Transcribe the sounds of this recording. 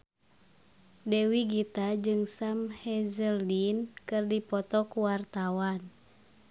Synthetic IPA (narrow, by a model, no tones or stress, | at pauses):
dɛwiɡit̪ad͡ʒɨŋsamhɛzəldinkɨrdipɔt̪ɔkuwart̪awan